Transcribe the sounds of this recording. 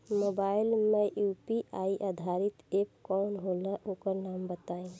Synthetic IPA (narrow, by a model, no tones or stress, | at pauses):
mobailmejupiʔaiʔad̪ʱaɾit̪ep̚kɔnɦoləʔokəɾnambət̪aĩ